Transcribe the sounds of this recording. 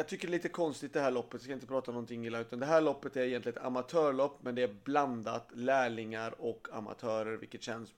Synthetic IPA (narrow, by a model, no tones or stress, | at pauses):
jɑɡt̪ʰʏkːəɾɭiːt̪əkʰɔnst̪ɪt̪̚d̪ɛhæːɭɔpːət̪jskajɪnt̪əpʰɾɑːt̪anɔnt̪ʰɪŋːɪlaʉ̟ːt̪and̪ɛɦæːɭɔpːət̪æɾɛjɛnt̪lɪɡət̪a̰mat̪ʰœːɭɔpːmɛnd̪ɛæbland̪at̪læːɭɪŋaɾɔkʰa̰ma̰t̪ʰœːɾəɾvɪ̰lkːət̪ɕɛns